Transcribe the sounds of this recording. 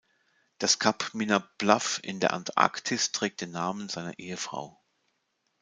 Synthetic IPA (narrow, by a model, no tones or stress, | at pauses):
d̥askʰapminab̥lafɪ̰ndeːɐʔa̰ntʔa̰ktʰɪstʁ̥ɛːk̚t̚d̥eːnːaːmənzaɪnɐ̰ʔeːəfʁ̥a̰ʊ